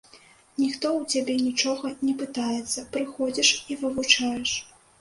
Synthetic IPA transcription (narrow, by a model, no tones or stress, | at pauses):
nʲixt̪ɔwt͡sʲabʲɛnʲit͡ʂɔɣɐnʲɛpɨt̪ajɛt̪sːɐpɾɨxɔd͡zʲiʂivɨvut͡ʂajɛʂ